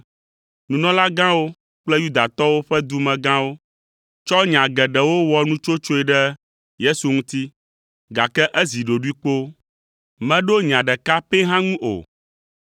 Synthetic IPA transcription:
nũ˨nɔ̃˦la˦ɡã˦wo˦ | k͡plɛ˦ju˦d̪a˨t̪ɔ˦wo˦ɸɛ˦d̪u˦mɛ̃˨ɡã˦wo˦ | t͡ʃɔ˦ɲã˨ɡɛ˨ɖɛ˨wo˦wɔ˦nũ˦t͡ʃo˦t͡ʃo˦ɛ˨ɖɛ˦ | je˦su˨ŋũ˦t̪i˦ | ɡa˨kɛ˦ʔɛ˦zi˨ɖo˨ɖu˦i˦k͡po˦ | mɛ̃˨ɖo˦ɲã˨ɖɛ˨ka˦pe˦ɦã˦ŋũ˦ʔo̰˨

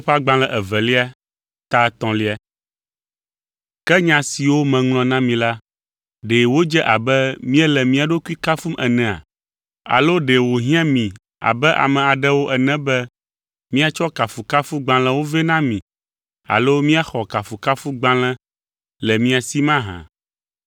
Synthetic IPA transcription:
o˦ɸa˦ɡ͡bã˦lɛ̃˨ʔɛ˨vɛ˨li˦a˦ | t̪a˦t̪ɔ̃˨li˦a˨ | kɛ˦ɲã˨si˨wo˦mɛ̃˨ŋlɔ̃˨nã˦mĩ˨la˦ | ɖe˨wo˦d͡ʒɛ˦ʔa˨bɛ˦mĩ˦ɛ˦lɛ˨mĩ˦a˨ɖo˦ku˦i˦ka˦fu˦mʔɛ˨nɛ̃˨a̰˨ | a̰˨lo˦ɖe˨wo˨ɦĩ˦ã˦mĩ˨ | a̰˨bɛ˦ʔa̰˨mɛ̃˨a˨ɖɛ˦wo˦ʔɛ˨nɛ̃˦bɛ˦ | mĩ˦a˨t͡ʃɔ˦ka˨fu˨ka˦fu˦ɡ͡bã˦l̃ɛ̃˦wo˦vɛ˦nã˦mĩ˨ | a̰˨lo˦mĩ˦a˦xɔ˨ka˨fu˨ka˦fu˦ɡ͡bã˦lɛ̃˦ | lɛ˨mĩ˦a˨si˦mã˦ɦã̰˨

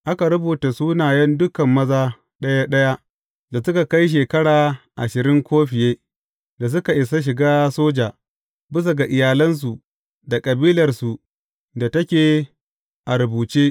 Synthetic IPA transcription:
ʔa˦ka˨ɾʊ˦buː˨ta˨suː˦naː˨jɐ˦ndʊ˦kɐ˨mːɐ˦zaː˦ | ɗɐ˦ja˦ɗɐ˦ja˦ | da˨sʊ˦ka˨ka˦jʃ̬eː˨kɐ˦ɽaː˨ʔa̰˨ʃɪ˨ɾɪ˦ŋkʷoː˦ɸɪ˨jeː˦ | da˨s̬ʊ˦ka˨ʔɪ˨sa˦ʃ̬ɪ˨ɡaː˦soː˦d͡ʒaː˨ | bɪ˦s̬a˨ɡa˨ʔɪ˨jaː˨lɐ˦ns̬u˨ | da˨kʼɐ˨biː˦lɐ˨rsu˨ | da˨tɐ˦kʲeː˨ | ʔa˨ɾʊ˨buː˨t͡ʃeː˦

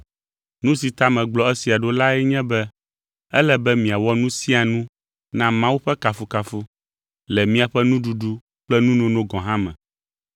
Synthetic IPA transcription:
nũ˦si˨t̪a˦mɛ̃˨ɡ͡blɔ˨˦ɛ˦si˨a˨ɖo˦la˦ɛ˦ɲɛ̃˦bɛ˦ | ɛ˦lɛ˦bɛ˦mĩ˨a˨wɔ˦nũ˦si˦a˨nũ˦ | nã˦mã˦wu˦ɸɛ˦ka˨fu˦ka˨fu˦ | lɛ˨mĩ˦a˨ɸɛ˦nũ˦ɖu˨ɖu˦ | k͡plɛ˦nũ˦nõ˦nõ˦ɡɔ̃˨ɦã˦mɛ̰̃˨

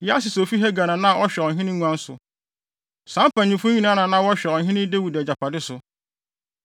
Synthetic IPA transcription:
jɛ˦a˦sɪ˨so˨fi˦ɦɛ˦ɡa˨nã˨nã˦˨ɔ˦ɕᶣɛ˨ɔ˨ɦɪ̃˦nɪ̃˦nũ˦ã˦n̩˦sʊ̰˨ | sã˦m˦pʰã˨ɲĩ˨fʊ̃˦ɲĩ˦nã˦nã˨nã˦wɔ˦ɕᶣɛ˨ɔ˨ɦɪ̃˦nɪ̃˦de˦wi˨dæ˨d͡ʑa˨pʰa˨dɪ˦sʊ˨

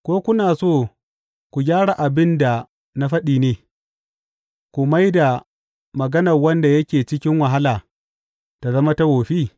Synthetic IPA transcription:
kʷoː˦kʷʊ˦naː˨soː˦˨ | kʷu˨ɡʲaː˦ɽa˨ʔa˨bɪ˦nda˨ | na˦ɸɐ˦ɗiː˨neː˨ | kʷʊ˨ma˦jda˨ | mɐ˨ɡɐ˦nɐ˨rwɐ˦nda˨jɐ˦kʲeː˨t͡ʃɪ˦kʲɪ˦ŋwɐ˨ɦa˦laː˨ | ta˨zɐ˦ma˦ta˦woː˨ɸiː˦

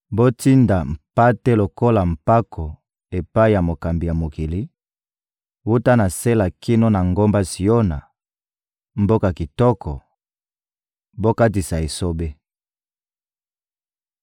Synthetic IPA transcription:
bo˦ti˦nda˨m̩˨pa˦te˦lo˨ko˦la˨m̩˨pa˦kʰɔ˨ | e˨pa˦i˦ja˨mo˨ka˨mbi˨ja˨mo˨ki˨li˦ | wu˦ta˦na˨se˦la˨kʰi˦no˦na˨ŋɡo˦mba˦si˨o˦na̰˨ | m̩˨bo˦ka˨ki˨tɔ˦kɔ˨ | bo˦ka˦ti˨sa˨e˨so˦be˦

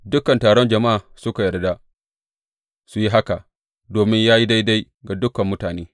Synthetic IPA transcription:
dʊ˦kɐ˨ntaː˨ɽɔ˦nd͡ʒɐ˨ma˦a˨ | sʊ˦ka˨jɐ˨rda˦ | su˨ji˦ɦa˦ka˨ | doː˨mɪ˦ɲjaː˦ji˦da˦jda˦j | ɡa˨dʊ˦kɐ˨mːʊ˦taː˨neː˦

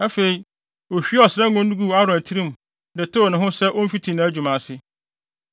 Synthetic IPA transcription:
æ˦fe˨i˨ | o˨ɕᶣi˦ɔ˨sɪ˨ɾɛ˦ŋʊ̃˦n˦du˦ɡu˦˨a˦ɾʊ̃˨æ˨tʰi˦ɾĩ˦˨m˨ | dɛ˨tʰe˦wo˨nɪ̃˨ɦʊ̃˦sɛ˦ʔo˦m̩˦fi˦tʰi˨nã˨˦æ˦d͡ʑᶣu˨mã˨sɪ˦

